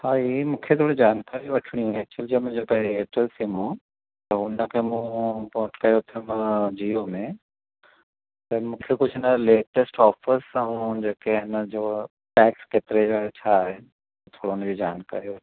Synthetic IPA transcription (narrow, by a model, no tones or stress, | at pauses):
haːimũːkʰet̪ʰoːɽed͡ʑaːnkaːɾiũʋɐʈʰɽ̃ĩjũet͡ɕəld͡ʑomẽd͡ʑoːkeɦeeːʈəlsimũ | t̪ɐʊnəkʰemũpɔ̃ːʈkɐjot̪ʰiuməd͡ʑiːomẽ | t̪ɐmũːkʰekʊd͡ʑʱnɐleːʈəsʈɔːfəɾsɐũd͡ʑeːkeɪnəd͡ʑoː | ʈɛːkskeːt̪ɪɾed͡ʑoɦet͡ɕʰaɦe | t̪ʰoːɽoʊnəd͡ʑod͡ʑaːnka̰ːɾio